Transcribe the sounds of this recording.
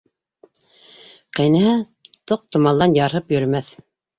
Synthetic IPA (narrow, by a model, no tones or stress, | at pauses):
qɑjnɘhæt̪oq̚t̪ŏmɑlˠd̪ɑnjɑɾɦɤpjɵ̆ɾmæθ